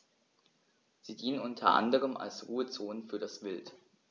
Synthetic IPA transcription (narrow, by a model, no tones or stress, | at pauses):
z̥iːdiːnənʊntʰɐʔa̰ndəʁ̞əma̰lsʁuːət͡soːnəfyːɐdasv̥ɪlt